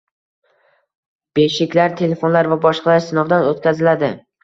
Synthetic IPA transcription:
b̥eʃɪkʲlaɾt̪ʰe̞le̞fo̞nlaɾvabɒʃqʰɑlaɾsɪnɒvd̪anot̪̚kʲʰazɪlad̪ɪ

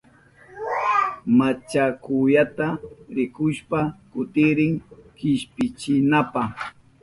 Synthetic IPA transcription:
mat͡ʃakʊjat̪aɾɪkʊʃpakʊt̪ɪɾɪŋkɪʃpɪt͡ʃɪnapaχ

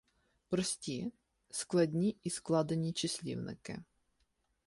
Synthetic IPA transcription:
pɾɔsʲtʲi | sklˠɐdʲnʲiisklˠɑd̪enʲit͡ʃɪsʲlʲḭwnɪ̰kɪ̰

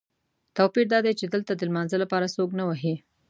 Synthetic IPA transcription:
t̪awpiɾd̪ɑd̪ajt͡ʃed̪əlt̪ad̪əlmɑnzəlapɑɾasoknawaɦi

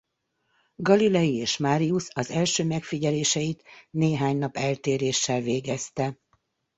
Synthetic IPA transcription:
ɡɒlilɛjieːʃmaːɾiusɒzɛlʃøːmɛkfiɟɛleːʃɛjit̪neːɦaːɲnɒpɛlt̪eːɾeːʃːɛlveːɡɛst̪ɛ

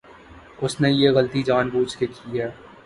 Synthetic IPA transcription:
ʊsnejeɣɐlt̪id͡ʒaːnbuːt͡ʃkekʰiɦɛː

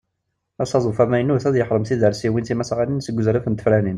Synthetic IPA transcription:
æsɑzˤufæmæjənːuθæðjəħɾˤəmθiðəɾsiwinθimæsʕaninsəɡʷːʊzɾafənt̪ə̥flænin

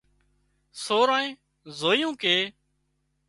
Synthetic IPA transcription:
soːɾãːẽː | zoːijũːkeː

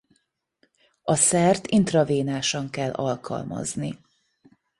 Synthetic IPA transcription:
ɒsɛrt̪int̪rɒveːnaːʃɒŋkɛlːʔɒlkɒ̰lmɒ̰zni

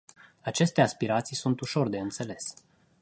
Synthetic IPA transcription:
at͡ʃe̞st̪e̞aspiɾat̪sijsunt̪uʃo̞rd̪e̞ɨnt̪se̞le̞s

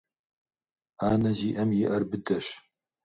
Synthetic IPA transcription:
aːnɐziːʔɐmjɪʔɐrbɨdɐɕ

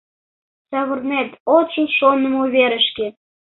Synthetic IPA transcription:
sɑβə̆rnet̪ot͡ɕəlʃonə̆muβʲeɾə̆ʃke

